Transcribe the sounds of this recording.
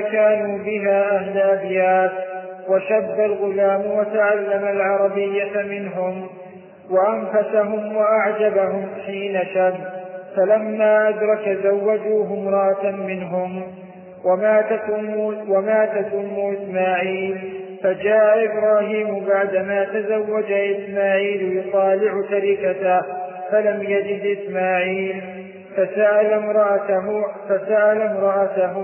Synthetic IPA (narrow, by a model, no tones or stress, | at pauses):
kaːnuːbɪɦaːʔaɦlʔabjaːt̪waʃabːalɣʊlaːmwat̪aʕalːamalʕɑɾˤɑbɪjːamɪnɦʊm | waʔanfasaɦʊmwaʔaʕd͡ʒabaɦʊmħiːnaʃabːfalamːaːʔad̪ɾˤɑkazawːad͡ʒuːɦʊmɾˤɑʔamɪnɦʊm | wmaːt̪akʊmːwamaːt̪akʊmːuːʔɪsmaːʕiːlfad͡ʒaːʔaʔɪbɾˤɑːɦiːmʊbaʕd̪amaːt̪azawːad͡ʒaʔɪsmaːʕiːljʊt̪ˤɑːlɪʕʊt̪aɾɪkat̪afalamjad͡ʒɪd̪ʔɪsmaːʕiːl | fasaʔalamɾɑʔafasaʔalamɾˤɑʔat̪aɦʊ